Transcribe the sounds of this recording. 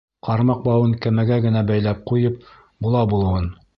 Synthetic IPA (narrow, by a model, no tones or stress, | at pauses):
qɑɾmɑq̚bɑwɤŋkæmæɡæɡɘ̆næbæjlæp̚qujɤp̚ | bulˠɑbulˠɤ̆wɤn